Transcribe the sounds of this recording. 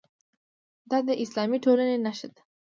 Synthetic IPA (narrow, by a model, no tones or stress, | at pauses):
d̪ad̪əʔislɑmiʈʰolanenaʃəd̪